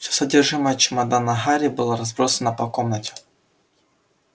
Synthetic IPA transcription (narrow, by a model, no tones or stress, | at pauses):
fsʲosɐdʲerʐɨməjət͡ɕɪmɐd̪anɐɦaɾʲɪbɨlˠaɾɐzbɾosənɐpɐkomnətʲɪ̥